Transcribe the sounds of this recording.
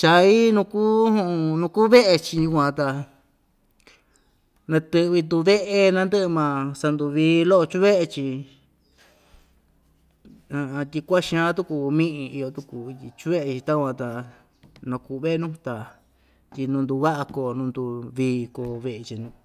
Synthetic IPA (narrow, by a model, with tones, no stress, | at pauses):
t͡ʃa˧i˦nũ˧kuː˦ũ˦˧nũ˧ku˦βe˦ʔe˧t͡ʃi˧ju˧kʷã˧t̪a˧ | nã˧t̪ɨ˧βi˧nd̪u˧βe˦ʔe˧nã˦˧nd̪ɨ˦ʔmã˧sa˧nd̪u˧βiː˧lo˦ʔo˧t͡ʃu˦βe˦ʔe˧t͡ʃi˧ | ã˧t̪ʲi˧kʷa˦ʃĩ˧ã˦t̪u˦ku˧mĩ˦ʔĩ˧i˧jo˧t̪u˧ku˧i˧t̪i˧t͡ʃu˦βe˦ʔe˧t͡ʃi˧t̪a˦kʷã˧t̪a˨ | nã˧kuː˧βe˦ʔe˧nũ˦˧t̪a˨ | t̪ʲi˧nũ˧nd̪u˧βa˦ʔa˧ko˧˨nũ˧nd̪u˧βiː˧ko˨βe˧ʔe˧t͡ʃi˧nũ˧